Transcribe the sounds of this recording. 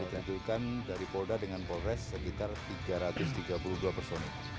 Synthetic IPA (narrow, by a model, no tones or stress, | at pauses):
it̪ad͡ʒukandaɾipodadəŋanpɔɾɛsːəkit̪art̪iɡaɾat̪ʊst̪iɡapuluduapərsonɪ